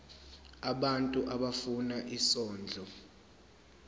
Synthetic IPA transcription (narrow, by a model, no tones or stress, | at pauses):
aɓantʼuʔaɓafunaʔisɔːnd͡ɮʱɔ